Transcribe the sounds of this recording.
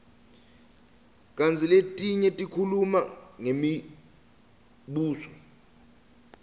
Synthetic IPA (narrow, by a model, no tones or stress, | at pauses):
k̬ʼant͡sʰʼiletʼiɲɛtʼikʰulumaŋemi | ɓuːsɔ